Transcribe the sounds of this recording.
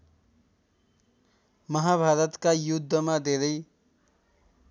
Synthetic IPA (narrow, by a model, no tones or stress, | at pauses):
mʌɦabʱaɾʌt̪kajud̪ʱːʌmad̪ed̪ʌj